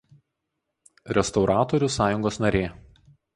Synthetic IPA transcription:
ɾʲɛst̪ɒʊɾʔɑːt̪oːɾʲʊsɑːjʊŋɡoːsnɐɾʲeː

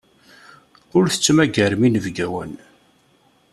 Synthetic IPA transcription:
ʊɾθə̥t͡sːmæɡəɾminəvɡæwə̰n

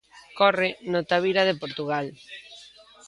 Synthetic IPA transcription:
kɔrɪnot̪aβiɾaðepoɾt̪uɣal

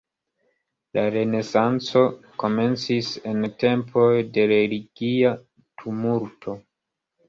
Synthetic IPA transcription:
laɾe̞ne̞sant͡so̞ko̞me̞nt͡sise̞nte̞mpʰo̞jde̞ɾe̞liɡia | tʰumuɾtʰo̞

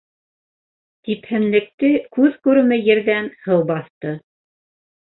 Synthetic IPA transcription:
t̪iphɘ̆nlɘ̆k̚t̪ɘkʉðkʉɾɘ̆mɘjɘ̆ɾðænhɤwbɑθt̪ɤ

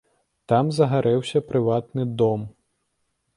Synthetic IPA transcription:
t̪amzɐɣaɾʔɛwsʲɐpɾɨvat̪nɨd̪ɔm

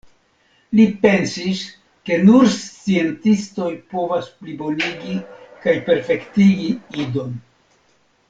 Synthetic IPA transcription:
lipe̞nsis | ke̞nuɾst͡sie̞ntisto̞jpo̞vasplibo̞niɡikajpe̞ɾfe̞ktiɡiido̞n

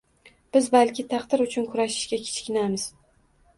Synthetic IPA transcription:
b̥ɪzbalkʲɪt̪ʰɑqd̪ɪɾʊt͡ʃʰʊnkʰʊɾaʃɪ̥ʃɡʲakʲʰe̥t͡ʃkʲɪnamɪz̥

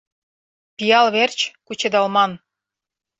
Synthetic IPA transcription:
pijɑlβert͡ɕkut͡ɕed̪ɑlmɑn

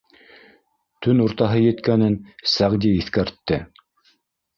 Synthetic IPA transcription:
t̪ɵnuɾt̪ɑɦɤjɘ̆t̪kænɘnsæʁd̪iiθkæɾt̪ːɘ

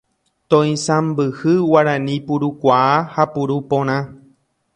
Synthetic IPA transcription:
t̪õĩsãmbɨhɨwaɾãnĩpuɾukʷaahapuɾupõɾ̃ã

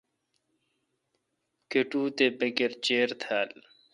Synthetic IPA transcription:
keʈuːt̪ebekeɾt͡ɕeːɾt̪ʰaːl

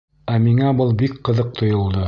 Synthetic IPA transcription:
æmiŋæbɤlˠbikqɤ̆ðɤq̚t̪ʰŏjŏlˠd̪ɤ

